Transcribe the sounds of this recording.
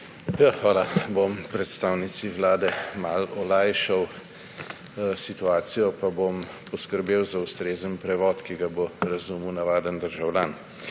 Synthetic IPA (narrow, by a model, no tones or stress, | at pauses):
jaxʋaːlabompɾɛt̪st̪aːwnit̪siʋlaːd̪ɛmalɔlajʃaw | sit̪uaːt̪sijɔpabom | pɔskəɾbeːwzaust̪ɾeːzənpɾɛʋɔt̪kiɡaboɾɐzuːmuwnaʋaːd̪ənd̪əɾʒawljaːn